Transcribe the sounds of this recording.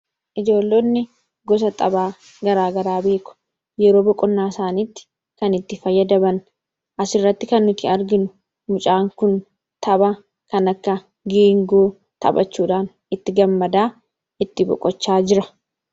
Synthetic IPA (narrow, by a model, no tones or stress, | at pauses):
ʔɪd͡ʒo̞ːlːoːnːɪ | ɡɔs̬ɐt̪ʼɐbaː | ɡɐɾaːɡɐɾaːbe̞ːkʊ̥ | jɛɾo̞ːbɔkʼɔnːaːsaːniːt̪ːɪ̥ | kɐnɪt̪ːɪfɐjːɐd̪ɐbɐn | ʔɐsɪrːɐt̪ːɪkɐnːʊt̪ɪɐɾɡɪnʊ | mʊt͡ʃʼaːŋkʊn | t̪ʰɐbɐ | kɐnɐkːɐ | ɡiːŋɡoː | t̪ʰɐ̰bɐ̰t͡ʃːuːᶑaːn | ɪt̪ːɪɡɐmːɐd̪aː | ɪt̪ːɪbɔ̰kʼɔt͡ʃːaːd͡ʒɪɾɐ